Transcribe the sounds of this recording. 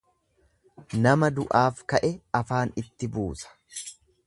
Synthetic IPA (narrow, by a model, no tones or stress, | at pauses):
nɐmɐd̪ʊʔaːfkɐʔɛɐfaːnɪt̪ːɪbuːsɐ̥